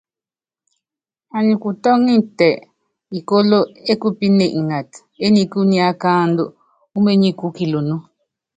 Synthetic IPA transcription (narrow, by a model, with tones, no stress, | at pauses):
a˨nĩ˨ku˨tɔ˦ŋi˦n̩˨tɛ˨ʔ | i˨ko˦lo˦e˦ku˦pi˦ne˨ʔa˨t | e˦ni˨ku˦nĩ˦a˦ka˦n˦do˦ | u˦me˦ɲĩ˦ku˦ki˨lo˨nu˦